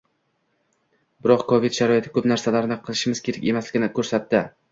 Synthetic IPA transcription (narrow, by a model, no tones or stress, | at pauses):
bɪɾɒqkʰovid̪ʃaɾɒjet̪ʰɪ̥kʰɵpnaɾsalaɾnɪqʰɨlˠɪʃɪmɪz̥kʲʰe̞ɾakʲe̞maslɪɡʲɪnɪkʰɵɾsat̪ːɪ